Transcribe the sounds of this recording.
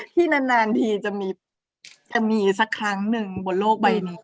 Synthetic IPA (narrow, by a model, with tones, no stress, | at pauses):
t̪ʰiː˥˩na˦˧˥nːaː˧nt̪ʰiː˧t͡ɕa˨˩miː˧ | t͡ɕa˨˧˩miː˧sa˧˦˥kʰːɾa˦˥ŋnɯ˨˩ŋbo˨˩t̚loː˥˩k̚ba˧jniː˦